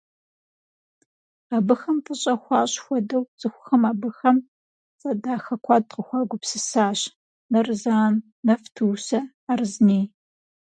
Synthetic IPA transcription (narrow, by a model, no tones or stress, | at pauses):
abɨxɐmtəɕʼɐxʷɑːɕxʷɔdɐwzʼɨxʷʊxɐmaːbɨxɐm | t͡sʼɐdaːxɐkʷʰɑːd̚qəxʷɑːɡʷʊpsɨsaːɕ | nɐrzaːnː | ɐftʰuːsɐ | arɨzniː